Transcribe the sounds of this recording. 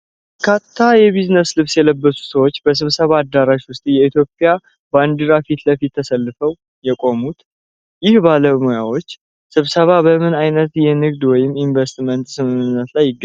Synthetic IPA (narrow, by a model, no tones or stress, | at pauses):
kʰaːajɛβiznəslɨβsjɛləbːəsu̥səwo̞t͡ʃːbəs̬ɨβsəβad̪ːaɾaʃwʊst̪ʼijɛit̪ʰjo̞pʼːja | band̪ɨɾafit̪ləfit̪ʰːəsəlːɨfəw | jɛkʼo̞mut̪ | jɪhbaləmojawo̞t͡ʃː | sɨβsəβabəmɨnajnət̪jɛnɨɡd̪wɔjɪmːinvəst̪mənt̪sɨmɨnɨnːət̪lajːɪɡːə